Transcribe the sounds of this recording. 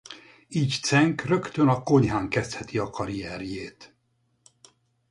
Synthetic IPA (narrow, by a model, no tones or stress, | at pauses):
iːct̪sɛŋkrø̞kt̪ønɒko̞ɲɦaːŋkɛst̪hɛt̪iɒkɒɾijɛːɾjeːt̪